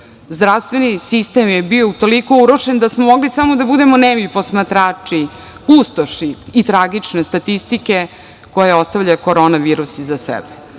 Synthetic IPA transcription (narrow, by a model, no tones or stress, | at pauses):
zd̪ɾafst̪ʋe̞nisist̪e̞mjebio̞ut̪o̞liko̞uɾoʃend̪asmomo̞ɡlisamo̞d̪abud̪e̞monemʎipo̞smat̪ɾaːt͡ʂi | pust̪oʃiːt̪ɾaɡit͡ʂnest̪at̪ist̪ike̞ | ko̞jeo̞st̪avʎako̞ɾo̞naʋiːɾusizasɛ̰be